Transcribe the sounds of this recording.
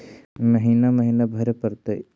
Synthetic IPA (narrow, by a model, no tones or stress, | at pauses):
məɦiːnaməɦiːnabʱɐɾepəɾt̪e